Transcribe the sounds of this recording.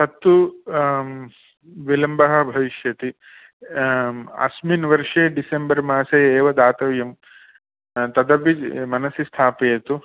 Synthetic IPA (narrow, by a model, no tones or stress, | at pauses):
t̪ɐt̪ːu | ʋilɐmbɐɦɐ̆bʱɐʋiʃjɐt̪i | ɐ̰sminʋɐɾʂeːɖisembɐɾmaːsɐjeːʋɐd̪aːt̪ɐʋjɐm | t̪ɐd̪ɐbimɐnɐsist̪ʰaːpejɐt̪u